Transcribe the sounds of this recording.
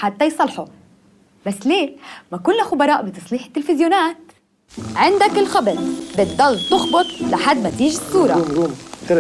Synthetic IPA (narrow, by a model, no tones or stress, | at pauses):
ħat̪ːajsˤɑlħu | basːleːmakʊlːaxʊbɑɾˤɑːʔbit̪ɑsˤliːħɪ̥t̪ːɪlfɪzjonaːt̪ | ʕɪnd̪akɪlxɑbɪd̪bɪt̪̚d̪ɑlːt̪ʊxbʊt̪ˤlaħad̪ːmat̪iːʒsˤːuːɾˤɑ̰mjum